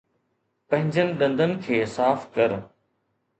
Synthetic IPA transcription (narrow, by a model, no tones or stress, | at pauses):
pɐ̃ɦɪ̃ɲd͡ʑənɪ̆ɗɐ̃nd̪ənɪ̆kʰeːsaːfkɐɾ